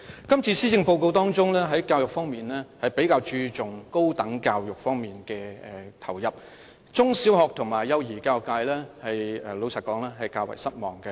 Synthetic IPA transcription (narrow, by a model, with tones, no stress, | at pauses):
kɐ˥mt͡sʰiː˧siː˥t͡sɪ˧ŋpo˧wko˧wt̪ɔː˥ŋt͡ʃʊ˥ŋlɛː˥ɦɐ˨˥jkaː˧wjʊ˨kfɔː˥ŋmiː˨nlɛː˥hɐ˨jpe˨˥jkaː˧wt͡ʃyː˧t͡sʊ˨ŋko˥wt̪ɐ˨˥ŋkaː˧wjʊ˨k̚fɔː˥ŋmiː˨nkɛː˧ɛ˨˩t̪ʰɐ˨˩wjɐ˨p̚ | t͡sʊ˥ŋsi˨˥whɔː˨k̚t̪ʰʊ˨˩ŋmaː˨˩jːɐ˧wjiː˨˩kaː˧wkaː˧jlɛː˥hɐ˨jɛ˨˩lo˨˧wsɐ˨˩kɔː˨˥ŋlɛː˥ɦɐ˨jkaː˧wɐ̰˨˩jsɐ˥t̚mɔː˨˩ŋkɛ˧